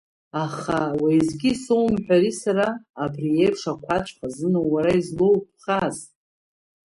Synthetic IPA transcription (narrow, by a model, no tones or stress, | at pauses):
aχawaizɡʲisowmħʷᶣaɾisaɾaːbriejpʰʂakʷʰat͡ʃʷʰʼχʰazɨnowaɾaizlowpʰχaz